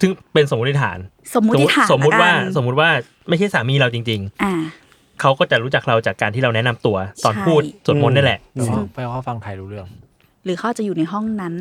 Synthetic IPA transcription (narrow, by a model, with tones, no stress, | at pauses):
t̪ʰɯ˥˩ŋpe˧nso˨˩˦m˦˥t̪ʰi˧˩t̪ʰaː˩˦n | so˩˦mːu˦˨˩so˩˦mːu˦˥waː˧˥˩sso˩˦mːu˦˥t̪̚waː˥˩ | ma˥˩t͡ɕʰa˥˩jsaː˨˩˦miː˧ɾa˧wt͡ɕi˧ŋt͡ɕi˧ŋa˧ | kʰa˦˥wkɔː˥˩t͡ɕa˨˩ɾuː˦˥t͡ɕa˨˩k̚ɾa˧wt͡ɕaː˨˩kːaː˧nt̪ʰiː˥˩ɾa˧wnɛ˦˥na˧mt̪u˧ɐt̪ɔː˧npʰuː˥˩t̪su˨˩n̚mo˦˥n̚na˥˩lɛ˨˩ʔpa˧jkʰɔː˥˩fa˧ŋt̪ʰa˧jɾuː˦ɾɯ˥˩əŋ | ɾɯː˨˩˦xa˦˥wa˨˩t͡ɕa˨juː˨˩na˧jɦɔ˥˩ŋna˦˥n